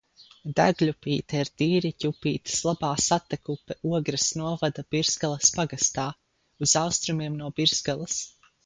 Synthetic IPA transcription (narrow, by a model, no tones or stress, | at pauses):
d̪æɡlʲupiːt̪ɛiɾd̪iːɾicʲupiːt̪i̥slˠabaːsat̪ɛkupɛʔuɔɡɾɨsnuɔvad̪ab̥iɾz̥ɡalˠɐspaɡast̪aː | uzawst̪ɾumiɛmnuɔbiɾz̥ɡalˠɐs